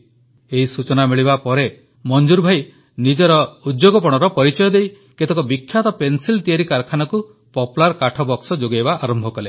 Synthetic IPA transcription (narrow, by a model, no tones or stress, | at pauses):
eɦisut͡ʃɔnamiɭibapɔɾe | mɔnd͡ʒuɾbʱaj | nid͡ʒɔɾɔud̪joɡɔpɔɽ̃ɔɾɔpɔɾit͡ʃɔjɔd̪ej | ket̪ekɔbikʰːjat̪ɔpensilt̪iaɾikaɾkʰanɔku | pɔpulaɾkaʈʰɔbɔksɔd͡ʒoɡajbaaɾɔmbʱɔkɔle